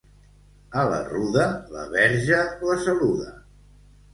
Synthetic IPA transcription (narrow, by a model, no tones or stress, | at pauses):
ələ̰ruðələ̰βɛɾʒələsəluðə